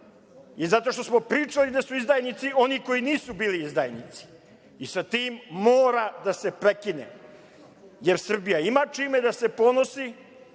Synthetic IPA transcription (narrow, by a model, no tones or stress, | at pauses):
izat̪o̞ʃt̪o̞smo̞pɾiːt͡ʂalid̪asuizd̪ajnit̪sio̞niko̞iniːsubiːliizd̪a̰jnḭt̪si̥ː | sat̪iːmːoːɾad̪ase̞pɾe̞kinḛ | jeɾsr̩bijaimat͡ʂiːme̞d̪ase̞po̞nosi